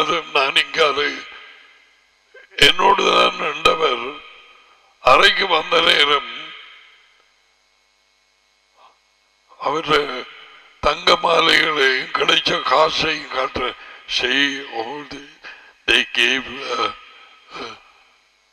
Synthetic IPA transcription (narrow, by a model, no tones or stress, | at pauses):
ɐɾɐmnaːniŋɡaːɾɨ | ɛnːoːɽɨðaːnɛɳɖɐʋɐɾ | ɐrɐkʲːɨʋɐnd̪ɐneːɾɐm | ɐʋɐɾ | t̪ɐŋɡɐmaːlɐɣɐɭekɪɽɐt͡ɕːɐkaːʂɐjkaːʈːrɐʂejod | d̪ekːeb